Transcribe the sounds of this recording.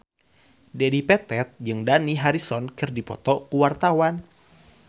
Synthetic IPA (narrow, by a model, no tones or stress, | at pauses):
dedipɛt̪ɛt̪̚d͡ʒɨŋdaniɦaɾisɔnkɨrdipɔ̰t̪ɔkuwart̪awan